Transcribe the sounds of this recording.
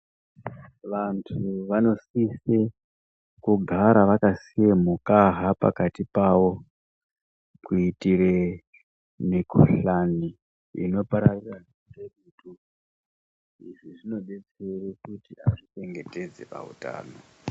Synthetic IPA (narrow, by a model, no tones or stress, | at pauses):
ʋantʰuʋano̞sise | kuɡʱaɾaʋakasijemukaɦapa̰katipawo̞ | kuitire | mikuɬani | ḭno̞paɾarira | reɗutu | iʐiʐino̞ɗe̞t͡serekutiaʐit͡ʃe̞ŋɡe̞te̞d͡ze̞̰pa̰ṵta̰ːno̞